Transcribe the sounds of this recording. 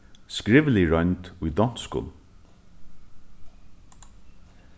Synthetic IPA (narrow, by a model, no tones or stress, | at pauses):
skɹɪʋliɹɔnt̪ujd̪ɔn̥t̪skʊ̰ːl